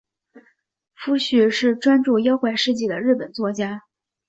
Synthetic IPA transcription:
fu˥ɕy˥˩ʂɻ̩˥˩ʈ͡ʂwa˥nʈ͡ʂu˥˩jɑ˥ʊxwe˥˧ɪʂɻ̩˥˧t͡ɕi˥˩d̪ə˩ɻɻ̩˥˩pə˨˩nt͡swɔ˥˩t͡ɕja˥

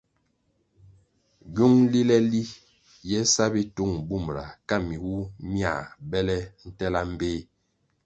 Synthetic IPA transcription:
ɡu˦ŋli˦lɛ˦li˦ | jɛ˦sa˦bi˦tu˦˨ŋbu˦˨m˨ɾa˨ka˦mi˨wu˦mja̰˦˨bɛ˦lɛ˦n̩˦tɛ˦la˦m̩˦beː˦

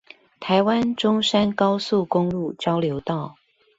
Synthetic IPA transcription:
t̪ʰa˨˦ɪwa˦nʈ͡ʂʊ˥ŋʂa˥nkɑ˥ʊsu˥˨kʊ˥ŋlu˥˨t͡ɕjɑ˥ʊljo˨˧˥ʊt̪ɑ˥˩ʊ

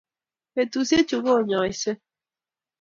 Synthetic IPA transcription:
e˨tu˨se˦t͡ʃu˨ɣo˦˨ɲɔ˨i˨se˦

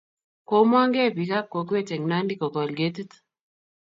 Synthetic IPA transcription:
ko˦ma˦ŋɡe˦˨pi˨ka˦kːo˨kwe˦t͡ʃe˨ŋna˦ndi˦kɔ˨kɔ˨lɡe˦t̪i˦t̪

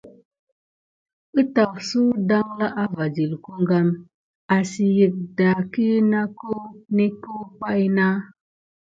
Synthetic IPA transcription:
ɨ˦ta˨wsu˦da˦ŋla˦ʔa˦va˨d͡ʒi˨lku˦ŋɡa˦m | a˨si˨jə˨k̚da˨ki˦na˦ko˦ne˦ko˦pa˦jna˦

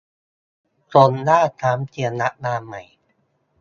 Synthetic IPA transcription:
so˧nlaː˥˩t̪ʰaː˦˥mt͡ɕi˧əna˦˥ʔ̚naː˧ma˨˩j

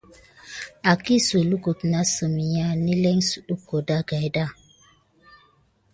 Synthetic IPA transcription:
a˨ki˦su˨lu˦ku˨tna˦sə˨mi˨ja˦˨ni˦lɛ˦ŋsu˨ɗu˦ko˨da˦ɡa˨jda˦

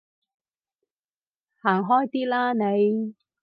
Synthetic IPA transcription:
haː˨˩ŋɦɔː˥jt̪iː˥laː˥ne˨˧j

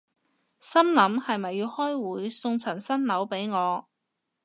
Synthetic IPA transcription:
sɐ˥mnɐ˨˥mhɐ˨jmɐ˨jːiː˧whɔː˥jwuː˨˥jsʊ˧ŋt͡sʰɐ˨˩nsɐ˥nlɐ˨˥wpe˨˥jŋɔː˨˧

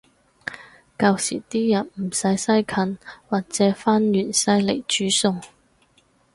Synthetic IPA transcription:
kaː˧wsḭː˨˩t̪iː˥jɐ˨˩nmm̩˨˩sɐ˨˥jsɐ˥jkʰɐ˨˥nwaː˨k̚t͡sɛː˨˥faː˥njyː˨˩nsɐ˥jle˨˩jt͡ʃyː˨˥sʊ˧ŋ

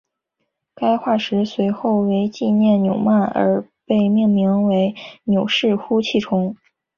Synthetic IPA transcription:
ka˥ɪxwa˥˩ʂɻ̩˧˥swe˧˥ɪxo˥˩ʊwe˧˥ɪt͡ɕi˥˧njɛ˥˩nnjo˨˩ʊma˥˩nə̰˞˧˥pe˥˧ɪmjɛ˥˩nmi˧˥ŋwe˧˥ɪnjo˨˩ʊʂɻ̩˥˩xu˥t͡ɕʰi˥˩ʈ͡ʂʰʊ˧˥ŋ

